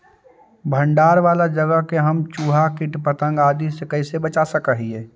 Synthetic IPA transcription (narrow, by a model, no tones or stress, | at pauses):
bʱə̃ɳɖaːɾʋaːlad͡ʒəɡəɦkeɦəmt͡ʃuːɦakɪʈpət̪ə̃ŋɡaːd̪isekəisebət͡ʃasəkəɦieː